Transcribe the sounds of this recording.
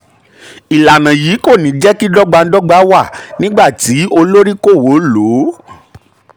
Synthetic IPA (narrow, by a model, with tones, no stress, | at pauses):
i˨la˨nã˨jiː˨˦ko˦˨nĩ˨˦d͡ʒɛ˦ki˦dɔ˦ɡ͡ba˧n̩˦dɔ˦ɡ͡ba˨˦wa˦˨nĩ˦ɡ͡ba˦˨ti˨˦o˧lo˦ɾi˦ko˦˨wo˨˦lo˨˦